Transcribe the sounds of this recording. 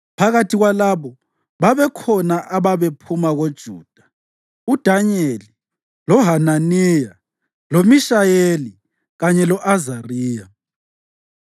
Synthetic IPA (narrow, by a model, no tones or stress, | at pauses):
pʰaɣatʰiɣwalaβɔ | βaβɛkʰɔnaʔaβaβepʰumaɣod̥ʒ̥ʱuːd̥ʱḁ | ud̥ʱaɲeli | lɔɦananija | lomiʃajeli | ɣaɲɛlɔʔazariːja